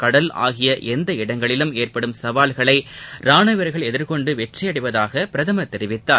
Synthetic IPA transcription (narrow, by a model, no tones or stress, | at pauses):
kɐɽɐla̰ːɣɪjɐʔɛnd̪ɐɪɽɐŋɡɐɭɪlɯmeːrpɐɽɯmsɐʋaːlɣɐɭɐɪɾaːnɐʋɐɾɣɐɭɛðɪɾkɔɳɖɯʋɛʈrɐjɐɽɪʋɐðaːɣɐpɪɾɐðɐmɐt̪ːɛɾɪʋɪt̪ːaː